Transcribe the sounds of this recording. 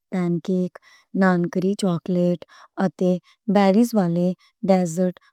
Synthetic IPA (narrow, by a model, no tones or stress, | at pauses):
pɛnkek | nankɾit͡ɕɔkleʈ | ət̪e | bɛɾisʋale | ɖɛzəɾʈ